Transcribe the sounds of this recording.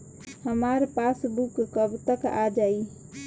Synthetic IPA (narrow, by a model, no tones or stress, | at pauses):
həmaɾpasbukːəbt̪əka̰d͡ʒai